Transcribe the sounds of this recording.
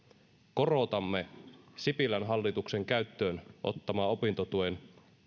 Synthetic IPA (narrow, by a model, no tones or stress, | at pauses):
ko̞ro̞t̪ɑmːe̞sipilænɦɑlːit̪ukse̞ŋkæɥt̪ːøːnʔo̞̰t̪ːɑmɑːo̞pint̪ot̪uen